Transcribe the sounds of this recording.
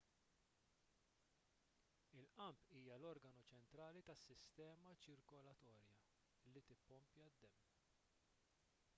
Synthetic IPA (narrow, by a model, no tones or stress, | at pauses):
ɪlʔɐmpiːjɐlɔɾɡɐnut͡ʃɛnt̪ɾɐːlit̪ɐsːɪst̪ɛːmɐt͡ʃɪɾkɔlɐt̪ɔːɾjɐ | lːit̪ɪpːɔmpjɐd̪ːɛmː